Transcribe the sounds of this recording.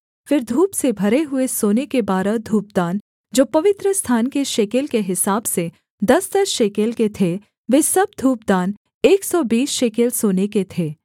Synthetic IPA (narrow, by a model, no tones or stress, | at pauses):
fɪɾd̪ʱuːpsebʱɐɾeɦʊesoːnekebaːɾəd̪ʱuːp̚d̪aːn | d͡ʒoːpɐʋɪt̪ɾəst̪ʰaːnkeʃeːkelkeɦɪsaːbse | d̪ɐsd̪ɐsʃeːkelket̪ʰe | ʋeːsɐb̚d̪ʱuːp̚d̪aːn | eːksɔbiːsʃeːkelsoːneket̪ʰeː